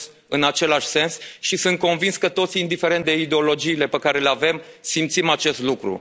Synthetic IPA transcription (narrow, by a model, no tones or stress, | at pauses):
ɨnat͡ʃe̞laʃʲse̞nsʃisunt̪̚ko̞nvinskət̪o̞t̪siind̪ife̞ɾet̪d̪e̞id̪eo̞lo̞d͡ʒiːle̞pekaɾe̞leave̞msimt̪simat͡ʃe̞st̪lukɾṵ